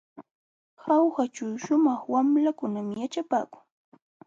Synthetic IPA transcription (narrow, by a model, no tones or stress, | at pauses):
xɑwɢat͡ʃawʃʊmɑχwamlakʊnamɪjat͡ʃapaːkʊŋ